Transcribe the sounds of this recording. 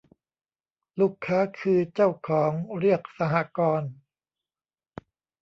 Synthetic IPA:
lu˥˩kʰːaː˦˥kʰɯː˧t͡ɕa˥˩wkʰɔː˩˦ŋɾi˥˩ək̚sa˧ɦa˧˥kɔː˧n

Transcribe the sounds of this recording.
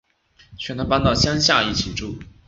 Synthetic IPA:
t͡ɕʰɥɛ˧˥˩nʰ˥pa˥nt̪ɑ˥˩ʊɕjɑ˥ŋɕja˥˧i˥˩t͡ɕʰi˨˩ʈ͡ʂu˥˩

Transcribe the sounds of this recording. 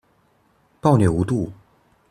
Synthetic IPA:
pɑ˥˩ʊnjɛ˨˩u˧˥t̪u˥˩

